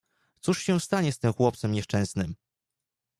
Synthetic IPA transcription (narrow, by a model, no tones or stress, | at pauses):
t̪suʂɕɛst̪aɲɛst̪ɘmxwɔp̚t̪sɛmɲɛʂt͡ʂɛ̃w̃snɘm